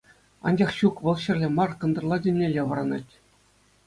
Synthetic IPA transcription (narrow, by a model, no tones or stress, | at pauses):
ɑ̰nd͡ʑɑχɕukʋɤ̆lˠɕɘ̆rʲlʲĕmɑrkɤ̆nd̪ɤ̆rlˠɑdʲĕnʲːelʲːeʋɤ̆ɾɑnɑ̰tʲ